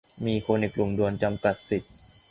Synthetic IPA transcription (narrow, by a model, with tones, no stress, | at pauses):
miː˧kʰoː˧ni˨˩klɾu˨˩ŋdu˧ənt͡ɕa˧mka˨˩t̪̚si˨˩t̪̚